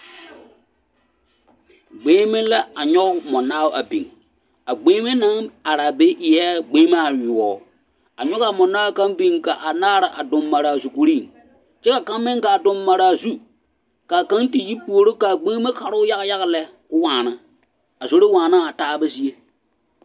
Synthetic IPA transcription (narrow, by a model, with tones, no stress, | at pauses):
ɡ͡beː˦mɪ˦n˦la˦a˨ɲɔ˦kmɔ˨naː˦wʔa˨bi˨ŋ | a˨ɡ͡beː˦me˦na˦ŋa˨ɾa˨be˦ʔɪ˨jɛ˦ɡ͡beː˦ma˦a˨jʊ˨ɔː˨ | a̰˨ɲɔ˦ɣa˨mɔ˨naː˦wka˦mbi˦ŋka˨ʔa˨naː˦ɾa˨ʔa̰˨dʊ˨mːa˨ɾa˨a˨zu˨ku˨ɾi˦˨ŋ | t͡ʃɛ˦ka˨ka˦mːɪ˦ŋ˦ka˨a˨dʊ˨mːa˨ɾa˨a˨zu˦ | ka˨ka˦ŋti˨ji˦pu˨o˨ɾo˦ka˨ɡ͡be˦me˦ka˨ɾʊ˦ja˦ɣja˦ɣa˦lɛ˦ | kʊ˦waː˨na˦ | a˨zo˦ɾɪ˦waː˨na˦a˨taː˦be˦si˦e˦